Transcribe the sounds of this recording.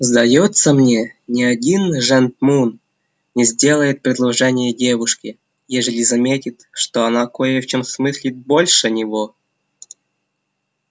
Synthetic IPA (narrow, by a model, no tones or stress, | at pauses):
zd̪ajot̪səmnʲenʲɪadʲinʐɛnt̪̚mun | nʲɪzʲdʲe̞lˠəjɪt̪̚pɾʲɪd̪lˠɐʐɛnʲɪjədʲevuʂkʲɪ | jeʐəlʲizɐmʲetʲit̪ʂt̪oɐnakojɛfʲt͡ɕomsmɨsʲlʲit̪̚bolʲʂənʲɪvo